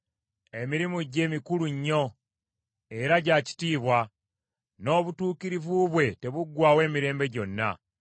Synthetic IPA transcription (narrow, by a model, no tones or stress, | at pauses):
e̞miɾimuɟe̞ːmikuluɲːo̞ | e̞ɾaɟaːci̥tiːβwa | no̞ːβutuːkiɾivuβwe̞te̞βuɡːwaːwe̞ːmiɾe̞ːmbe̞ɟo̞nːa̰